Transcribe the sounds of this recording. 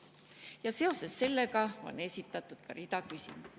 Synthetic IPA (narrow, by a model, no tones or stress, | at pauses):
jɑse̞o̞se̞sːe̞lːe̞ɡɑo̞̰nːe̞sʲit̪ːˑɑt̪ːˑud̪̥kɑɾid̪̥ɑkysʲḭmu